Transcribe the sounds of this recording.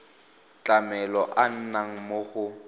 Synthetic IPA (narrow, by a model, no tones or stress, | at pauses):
t͡ɬʼamɛlɔʔan̩naŋ̩moɣʊ